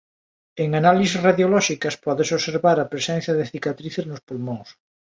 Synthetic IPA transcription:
eŋanalisesraðjolɔʃikɐspɔðesoβseɾβaɾɐpɾesɛn̟θjɐðeθikat̪ɾiθeznospulmõŋs

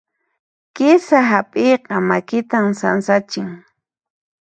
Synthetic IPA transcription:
kɪsaɦapʼejqɑmakɪt̪amsansat͡ʃɪŋ

